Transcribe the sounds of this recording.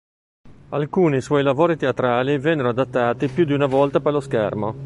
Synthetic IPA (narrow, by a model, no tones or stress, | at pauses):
alkuːniswɔjlavoːɾit̪eat̪ɾaːlivɛnːeɾoad̪at̪ːaːt̪ipjud̪iunavɔlt̪aperloskɛ̰rmo